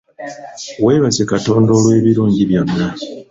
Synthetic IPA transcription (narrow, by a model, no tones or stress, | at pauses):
we̞ːβaze̞kato̞ːndolwe̞ːβiɾuːɲɟiβjo̞nːa